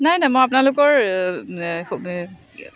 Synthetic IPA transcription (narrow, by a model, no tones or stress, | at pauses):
najnajmɔap̬ʊnalʊkɔɹ